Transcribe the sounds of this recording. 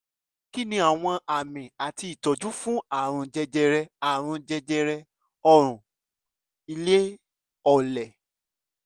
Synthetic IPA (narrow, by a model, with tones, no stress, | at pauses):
ki˦nĩ˧˦a˨w̃ɔ̃˧a˨mĩ˨a˨ti˧i˨tɔ˨d͡ʒu˦fũ˦a˦˨ɾ̃ũ˧d͡ʒɛ˧d͡ʒɛ˧ɾɛ˧a˨ɾ̃ũ˧d͡ʒɛ˧d͡ʒɛ˧ɾɛ˧ | ɔ˧ɾ̃ũ˨ | i˧le˦ | ɔ˨lɛ˨